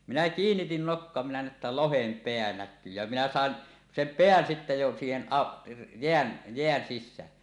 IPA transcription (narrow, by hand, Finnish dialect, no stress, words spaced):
minæ kiːnːitin nokːoɑ minæ næˑe tːæ lohem peæ nækːyː jæ minæ sɑˑen sem peæn sitːe jo siːhen ʔɑ jeæn jeæn sisˑæːn